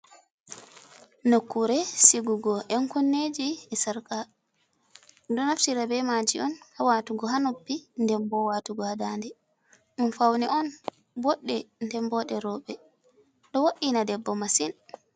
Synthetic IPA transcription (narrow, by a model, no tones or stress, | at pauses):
nokːuɾɛsiɡuɡɔʔɛnkunːed͡ʒiɛsaɾka | dɔnaftiɾabɛmad͡ʒiʔɔnhawaːtuɡɔɦanopːindɛmbɔwatuɡɔhadandɛ | ɗunfawnɛʔɔn | bɔɗːɛndɛmbɔɗɛɾɔːɓɛ | ɗɔwoɗːinadɛbːɔmasin